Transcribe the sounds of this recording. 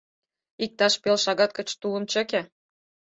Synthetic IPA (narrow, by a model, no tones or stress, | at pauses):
ik̚t̪ɑʃpelʃɑɣɑt̪̚kə̆t͡ɕt̪ulə̆mt͡ɕə̆kʲĕ